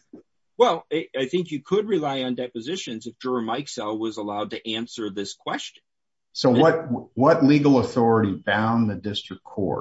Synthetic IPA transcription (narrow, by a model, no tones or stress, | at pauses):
wɛlˠɪaɪθɪ̃ŋkjɨkʰəd̚ɹilaɪɨ̃ndɛpɨzɪʃɨ̃nzɨfd̥ʒ̥ɔɹɨmaɪksɛlˠwʌzəlaʊd̚tɨʔæ̃nsə˞ðɪskʰw̥ɛst͡ʃɨ̃n̩ | soʊwʌt̚wʌtˡliɡl̩ˠəθɔɹɨɾibãʊ̃nðɨdɪstɹ̥ɨkʰɔ̰